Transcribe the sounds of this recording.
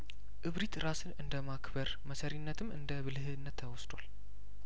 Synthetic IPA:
ʔɨβɾit̪ɾasɨnɨnd̪əmakbəɾməsəɾinːət̪ʰɨmɨnd̪əβɨlɨɦɨnːət̪ʰːəwɔsd̪wal

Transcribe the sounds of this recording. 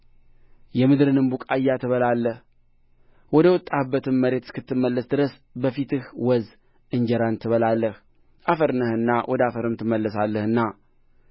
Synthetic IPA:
jɛmɨd̪ɾɨnɨmbukʼajːat̪ʰɨβəlalːəh | wɔd̪əwɔt̪ʼːabːət̪ɨmməɾe̞t̪kɨt̪ːɨmːəlːəsd̪ɨɾəs | bəfit̪ʰɨhwɔz | ʔɨɲd͡ʒɛɾant̪ʰɨβəlalːəh | ʔafəɾnəhɨnːawʔɔd̪əafəɾɨmt̪ʰɨmːəlːəsalːəhɨnːa

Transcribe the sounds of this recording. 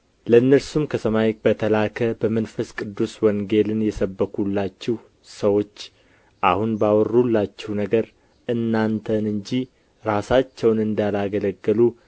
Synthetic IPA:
ləɨnːəɾsumkʰəsəmajb̥ət̪ʰəlakʰəbəmənfəskʼɨd̪ːuswɔŋɡe̞lɨnjɛsəbːəkʰulːat͡ʃːɛh | səwo̞t͡ʃː | ʔahunbawɔrːulːat͡ʃːɛwnəɡəɾ | ʔɨnːant̪ʰənɨɲd͡ʒi | ɾasat͡ʃːɛwnɨnd̪alaɡələɡːəlu

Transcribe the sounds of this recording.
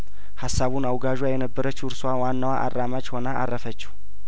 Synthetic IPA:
hasːaβunawɡaʒwajɛnəbːəɾət͡ʃːɨɾswawanːawaʔa̰rːamad͡ʒho̞naʔa̰rːəfət͡ʃːɛ

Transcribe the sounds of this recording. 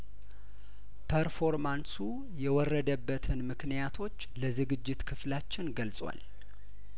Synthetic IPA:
pʰəɾfo̞ɾmansu | jɛwɔrːəd̪əbːət̪ʰɨnmɨknijat̪ʰo̞t͡ʃːləzɨɡɨd͡ʒːɪt̪kʰɨflat͡ʃːɪnɡəlsʼwa̰l

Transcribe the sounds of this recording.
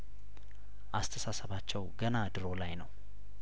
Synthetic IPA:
ʔast̪ʰəsasəβat͡ʃːɛwɡənad̪ɨɾo̞lajnəw

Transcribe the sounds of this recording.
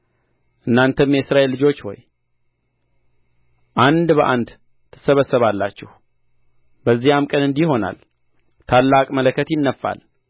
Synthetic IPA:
ʔɨnːant̪ʰəmjɛsɾaʔelːɨd͡ʒo̞t͡ʃːwɔ̰j | ʔand̪bəʔand̪ | t̪ʰɨ̥səβəsːəβalːat͡ʃːɛh | bəzːijamkʼənɨnd̪iho̞na̰l | t̪ʰalːakʼmələkːət̪jɪnːəfːa̰l

